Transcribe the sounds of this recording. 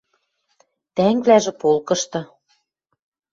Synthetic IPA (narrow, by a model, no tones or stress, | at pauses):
t̪æŋβlæʒĕpolkɤ̆ʃt̪ɤ̆